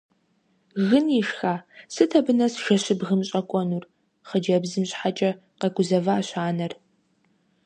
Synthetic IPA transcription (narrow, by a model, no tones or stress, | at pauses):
ɣɨniːʂxaːsɨtʰɐbɨnɐsʒɐɕɪbɣɨmɕʼɐkʷʼɔnuːr | χəd͡ʒɐbzɨmɕħat͡ʃʼɐ | qɐɡʷʊzɐvaːɕaːnɐr